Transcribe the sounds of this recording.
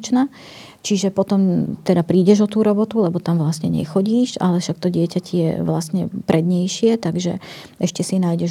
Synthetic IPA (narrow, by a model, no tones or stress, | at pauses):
t͡ʃna | t͡ʃiʒɛpɔt̪ɔmt̪ɛd̪apɾiːɟɛʒɔt̪uːɾɔbɔt̪ulɛbɔt̪amʋlasɲɛɲɛ̰xɔɟiːʃa̰lɛʃakt̪ɔɟɪɛcacɛjɛ̰ʋlasɲɛ̰pɾɛd̪ɲɛjʃɪɛt̪aɡʒɛ̰ | ʔɛʃcɛsinaːjɟɛʒ